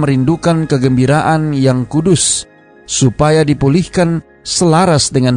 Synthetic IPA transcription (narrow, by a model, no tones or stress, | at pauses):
məɾindukankəɡəmbiɾaʔanjaŋkudʊsː | upajadipulihkan | səlaɾasdəŋan